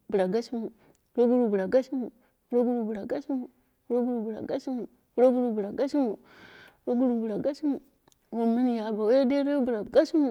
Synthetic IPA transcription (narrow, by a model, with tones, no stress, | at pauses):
bu˨ɾa˨ɡa˦ʃi˦mu˨˦ | ɾo˦ɡu˦ɾu˨bu˨ɾa˨ɡa˦ʃi˦mu˨˦ | ɾo˦ɡu˦ɾu˨bu˨ɾa˨ɡa˦ʃi˦mu˨˦ | ɾo˦ɡu˦ɾu˨bu˨ɾa̰˨ɡa˦ʃi˦mu˨˦ | ɾo˦ɡu˦ɾu˨bu˨ɾa˨ɡa˦ʃi˦mu˨˦ | ɾo˦ɡu˦ɾu˨bu˨ɾa˨ɡa˦ʃi˦mu˨ | wo˨mi˦ni˨ja˨˦ba˨wa˦ja˦de˦ɾo˦jo˦bu˨ɾa˨ɡa˦ʃi˦mu˨